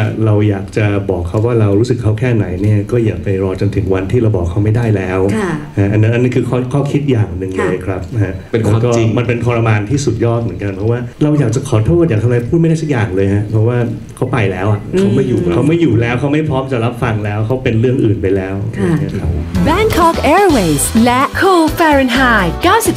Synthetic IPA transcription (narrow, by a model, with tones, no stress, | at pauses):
ɾa˧wjaː˨˩k̚t͡ɕa˨˩bɔː˨˩kʰːa˦˥wːaː˥˩ɾa˧wɾuː˦˥sɯ˨˩kʰːa˦˥wkʰɛː˥˩na˩˦jni˥˩ɐkɔː˥˩jaː˨˩k̚pa˧jɾɔː˧t͡ɕo˧nt̪ʰɯ˩˦ŋwa˧nt̪ʰiː˥˩ɾa˧wbɔ̰ː˨˩kʰːa˦˥wma˥˩jdaː˥˩jlɛː˦˥wha˦˥ʔa˧nːa˦˥ʔnːi˦˥kʰɯː˧kʰɔː˥˩kʰɔː˥˩kʰi˦˥t̪̚jaː˨˩ŋnɯ˨˩ŋlɤː˧jkʰɾa˦˥p̚ha˦˥ʔ | e˧lːkɔː˥˩˧ma˧npe˧npʰɔː˧ɾa˧maː˧nt̪ʰiː˥˩su˨˩t̪̚jɔː˥˩t̪̚mɯ˩˦ə˦nka˧npʰɾɔ˦˥waː˥˩ɾa˧wjaː˨˩k̚t͡ɕa˨˩kʰɔː˨˩˦t̪ʰoː˥˩t̪̚jaː˨˩k̚t̪ʰa˧mːa˧pʰuː˥˩t̪ma˥˩jda˥˩sa˩k̚jaː˨˩ŋlɤː˧jha˦˥pʰɾɔ˦˥waː˥˩ | kʰa˦˥wpa˧jlɛː˦˥wʔa˨kʰa˥˦˥wma˥˩jːuː˨˩kʰːa˦˥wma˥˩jːuː˨˩lɛː˦˥wkʰa˦˥wma˥˩jpʰɾɔː˦˥mt͡ɕa˨˩ɾa˦˥p̚fa˧ŋlɛː˦˥wkʰa˦˥wpe˧nɾɯ˥˩əŋʔɯː˨˩npa˧jlɛː˦˥wa˧˩˦kʰa˦˥p̚bɛ˧˥ŋkʰɔ˦˥kʔɛː˧ɹwe˨jslɛ˦˥kʰuː˧fɛː˧ɹɛ˧nɦaː˥˩jkaː˥˩wsi˨˩p̚